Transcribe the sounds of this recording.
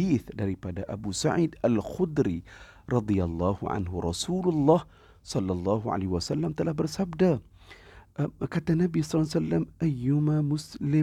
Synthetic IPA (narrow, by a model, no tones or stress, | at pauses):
iːθd̪aɾipad̪aʔa̰busaʕiːd̪ʔalxʊd̪ɾi | ɾˤɑd̪ˤɨjalˤːɑːhʊʕa̰nhʊɾˤɑsuːlʊlˤːɑːh | sˤɑlːɑlˤːɑːhʕa̰laːhwasalːamt̪alabɪɾsabd̪a | kat̪anːabisˤɑlːsalːamʔajːʊmamʊslɪ